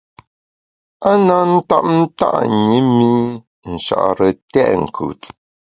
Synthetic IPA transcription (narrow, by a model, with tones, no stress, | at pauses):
a˦na˨˦n̩˦ta̰˦p̚n̩˦ta̰˦ʔɲi˨˦mi˦ | n̩˨ʃa̰˨ʔɾə˨tɛ̰˦ʔŋ̩˨kʰʉ̰˨t